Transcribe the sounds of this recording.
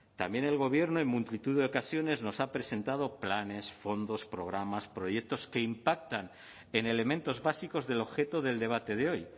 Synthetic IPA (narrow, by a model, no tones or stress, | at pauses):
t̪ambjẽ̞ne̞lɣo̞βje̞ɾnoe̞mmult̪it̪uðeokasjo̞ne̞zno̞sapɾe̞se̞nt̪að̞o̞plane̞sfo̞nd̪o̞spɾo̞ɣ̞ɾamaspɾo̞je̞k̚t̪o̞ske̞impak̚t̪an | ene̞le̞mẽnt̪o̞zβasiko̞zðe̞lo̞βxe̞t̪oðe̞ld̪e̞β̞at̪e̞ð̞eo̞j